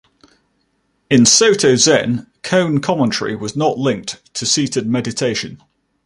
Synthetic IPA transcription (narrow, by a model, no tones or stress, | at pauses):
ɪ̃nsəʊtʰəʊzɛ̰̃nkʰə̃ʊ̃nkʰɒmə̃ntʰəɹḭwɒznəʔlɪ̃ŋk̚tʰəsiˑtʰɪd̚mɛdɪtʰeɪʃə̃n